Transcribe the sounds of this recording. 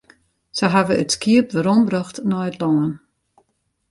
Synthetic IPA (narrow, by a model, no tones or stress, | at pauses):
səɦaʋəətskiəp̚ʋəɾɔmbrɔxtnɔjətlɔŋən